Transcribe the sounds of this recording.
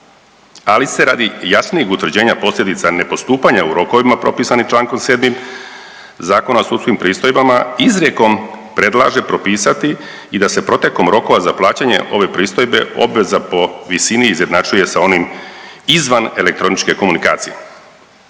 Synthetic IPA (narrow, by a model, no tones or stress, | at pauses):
alise̞ɾa̰ːd̪ijasnijixut̪ʋɾd͡ʑe̞ːɲapo̞slʎʲed̪it̪sane̞po̞st̪uːpaɲauɾo̞ko̞ʋimapɾo̞pisanit͡ʃlaːŋko̞mseːd̪mim | zaːko̞naosut̪skimpɾiːst̪o̞jbamaizɾe̞ko̞mpɾe̞d̪lˠa̰ʒe̞pɾo̞piːsat̪iː | d̪ase̞pɾo̞t̪e̞ko̞mɾo̞ko̞ʋazaplˠaːt͡ɕaɲe̞̰ʔo̞ʋe̞pɾiːst̪o̞jbe̞̰o̞̰bʋe̞zapo̞ʋisiniːzje̞d̪nat͡ʃuje̞sao̞nimizʋane̞le̞k̚t̪ɾo̞nit͡ʃke̞ko̞munika̰ːt̪sijḛ